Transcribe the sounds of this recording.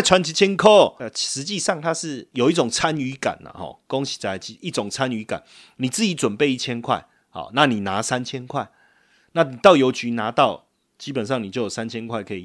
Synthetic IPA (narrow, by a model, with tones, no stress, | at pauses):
t͡sʰwa˧˦nt͡ɕʰi˧˥t͡ɕʰjɛ˥nkʰo˥˩ʂɻ̩˨˦t͡ɕi˥˧ʂɑ˥˨ŋt̪ʰa˦ʂɻ̩˥˨jo˨˩ʊi˥˩t͡sɔ˨˩ŋt͡sʰa˦ny˧˥ka̰˨˩nə̰˨˩xɔ̰˨˩kɔ˦ŋt͡ɕʰi̥˨˩t͡sa˨˧˩ɪt͡ɕi˧˨ʔi˥˩t͡sɔ˨˩ŋt͡sʰa˦ny˧˥ka̰˨˩˦n | nĩ˨˩t͡sɹ̩˥˩i˨˥t͡swə˨˩npe˥˧ɪi˥˩t͡ɕʰjɛ˥nkʰwa˥˩ɪ | hɔ̰˨˩na˥˨ni˨˩na˧˦sa˦nt͡ɕʰjɛ˦nkʰwa˥˩ɪ | na˥˨ni˨˩t̪ɑ˥˩ʊjo˨˧ʊt͡ɕy˧˦na˧˦t̪ɑ˥˨ʊ | t͡ɕi˦˥pə˨˩nʂ̬ɑ˥˩ŋni˨˩t͡ɕjo˥ʊjo˨˩s̬a˦nt͡ɕʰjɛ˥nkʰwa˥˩ɪkʰə˧ḭ˨